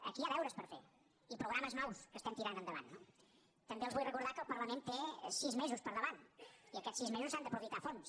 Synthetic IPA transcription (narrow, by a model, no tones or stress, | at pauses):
ə̰kiaðɛwɾəspəɾfḛ | ipɾuɣɾaməznɔwskəst̪ɛmt̪iɾanənd̪əβa̰nːo | t̪əmbeəlzβujrəkuɾð̞akəlˠpərləment̪esizmezuspəɾðəβaniəkɛsizmezuzand̪əpɾufit̪afons